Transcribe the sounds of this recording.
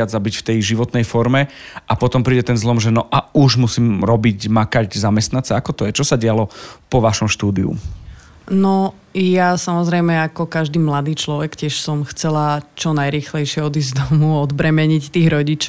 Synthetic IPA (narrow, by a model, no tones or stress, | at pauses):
ad͡zzabicft̪ɛjʒiʋɔt̪nɛjfɔɾmɛapɔt̪ɔmpɾiːɟɛt̪ɛnzlɔmʒɛnɔʔauʒmusiːmɾɔbiɟmakaɟzamɛst̪nant͡sɛakɔt̪ɔjɛt͡ʃɔsaɟɪalɔpɔʋaʃɔmʃt̪uːd̪iṵ | nɔ | jasamɔzɾɛjmɛakɔkaʒd̪iːmlad̪iːt͡ʃlɔʋɛkcɪɛʃsɔmxt͡sɛlat͡ʃɔnajɾiːxlɛjʃɪɛɔd̪iːzzd̪ɔmuɔd̪bɾɛmɛɲict̪iːɣɾɔɟit͡ʃ